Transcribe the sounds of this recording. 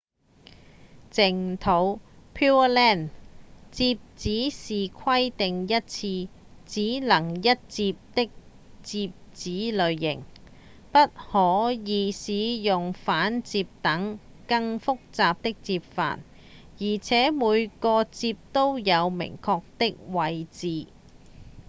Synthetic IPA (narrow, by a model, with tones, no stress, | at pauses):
t͡sɪ˨˩ŋt̪ʰo˨˥w | pʰiː˥lɛː˥˩nt͡siː˧p̚t͡siː˨˥siː˨kʰɐ˥jt̪ɪ˨ŋjɐ˥t̚t͡sʰiː˧ | t͡siː˨˥lɐ˨˩ŋjɐ˥t̚t͡siː˧p̚t̪ɪ˥k̚ | t͡siː˧p̚t͡siː˨˥lɵ˨˧ɥːɪ̰˨˩ŋ | pɐ˥t̚hɔː˨˥jiː˨˧siː˨˧jʊ˨ŋfaː˨˥nt͡siː˧p̚t̪ɐ˨˥ŋ | kɐ˧ŋfʊ˥k̚t͡saː˧p̚t̪ɪ˥k̚t͡siː˧p̚fa̰ː˨˩n | jiː˨˩t͡sʰɛː˨˥muː˨˧jkɔː˧t͡siː˧p̚t̪o˥wjɐ˨˧wmɪ̰˨˩ŋkʰɔː˧k̚t̪ɪ˥k̚wɐ˨˧jt͡siː˨